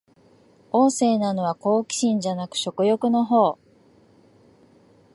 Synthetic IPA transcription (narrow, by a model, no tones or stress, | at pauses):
o̞ːse̞ːnano̞β̞ako̞ːkʲi̥ɕĩɲ̟d͡ʑanakɯ̟̥ɕo̞kɯ̟jo̞kɯ̟no̞ɦo̞ː